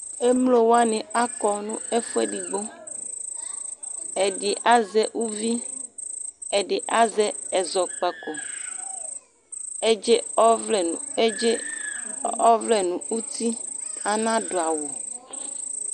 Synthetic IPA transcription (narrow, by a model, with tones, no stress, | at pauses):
e˦mlo˨wo˦a˦nẽ˨a˦kɔ˨nũ˦e˦fu˦e˦ɖi˨ɡ͡bo˦ | e˨ɖe˨ʔa˦zɛ˦wu˦vi˦ | e˨ɖe˨ʔa˦zɛ˦ɛ˨zɔ˨k͡pɛ˨ko˨ | e˦˨˦ | ɔ˦vle˨nũ˨u˦t̪i˦a˨nã˦do˨a˨wo˨